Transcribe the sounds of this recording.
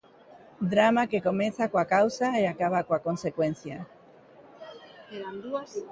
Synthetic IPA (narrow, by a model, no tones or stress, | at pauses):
d̪ɾamakeko̞meθakwakawsaeakaβ̞akoako̞nsekwẽn̟θja | eɾand̪uas